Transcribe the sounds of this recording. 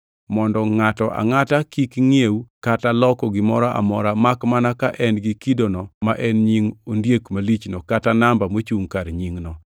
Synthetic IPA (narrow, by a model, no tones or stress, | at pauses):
mɔndɔŋatɔʔa̰ŋatakikŋiewkatalɔkɔɡɪmɔɾaʔa̰mɔɾamakmanakaʔɛnɡɪkidonɔmaʔɛnɲiŋondjekmalit͡ʃnokatanambamot͡ʃuŋkaɾɲiŋnɔ